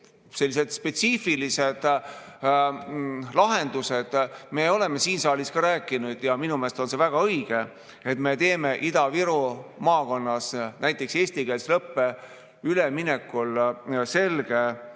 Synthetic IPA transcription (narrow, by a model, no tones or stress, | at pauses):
se̞lːise̞d̪̥spe̞t̪sifilise̞d̪̥ | lɑɦe̞nd̪use̞d̪̥me̞ːo̞le̞me̞siːnsɑːliskɑɾæːkːˑinud̪̥jɑminumeːst̪o̞nse̞væɡ̥ɑɤjɡ̥e̞ | et̪me̞t̪e̞ːme̞ʔid̪ɑviɾumɑːko̞nːɑsnæjt̪ːˑe̞kse̞ːsʲt̪ikeːlslɤpːe̞ | ylemine̞kːulse̞lɡ̥e̞